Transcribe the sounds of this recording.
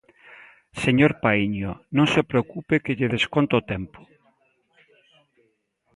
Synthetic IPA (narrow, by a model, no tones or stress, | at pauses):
seɲoɾpaiɲonõŋsepɾeokupekɪʎɪðeskont̪oot̪ɛmpʊ̥